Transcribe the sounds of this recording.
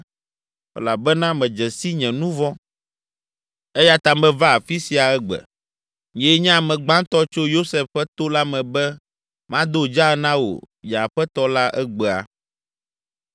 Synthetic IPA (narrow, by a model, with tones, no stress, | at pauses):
ɛ̰˨la˨bɛ˦nã˦mɛ̃˨d͡ʒɛ˨si˦ɲɛ̃˨nũ˦vɔ˦ | ɛ˦ja˦t̪a˨mɛ̃˦va˦˨fi˦si˨a˨ɛ˦ɡ͡bɛ̰˨ | ɲĩ˨e˦ɲã˦a˨mɛ̃˨ɡ͡bã˦t̪ɔ˦t͡ʃo˦jo˦sɛ˨fɸɛ˦t̪o˦la˦mɛ̃˨bɛ˦ | mã˦d̪o˦˨d͡ʒa˦nã˦wo̰˨ | ja˨ɸɛ˦t̪ɔ˦la˦ʔɛ˦ɡ͡bɛ˨a̰˨